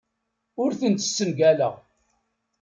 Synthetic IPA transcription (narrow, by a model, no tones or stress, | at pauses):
ʊɾθənt̪ə̥sːənɡælə̰ʁ